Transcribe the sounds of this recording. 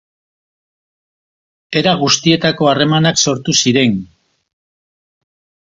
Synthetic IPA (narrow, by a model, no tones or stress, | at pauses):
e̞ɾaɣust̪ie̞t̪ako̞are̞manakso̞ɾt̪usiɾe̞n